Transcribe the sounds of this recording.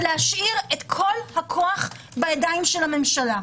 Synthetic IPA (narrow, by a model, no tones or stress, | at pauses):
lehaʃʔiʁet̪kʰo̞lhakʰo̞aχ | bajadajmʃelame̞mʃala